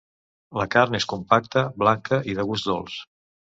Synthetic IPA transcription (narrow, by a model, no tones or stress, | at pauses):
ləkaɾneskumpak̚t̪əβlaŋkʰəʔiðəɣuzd̪o̰lˠs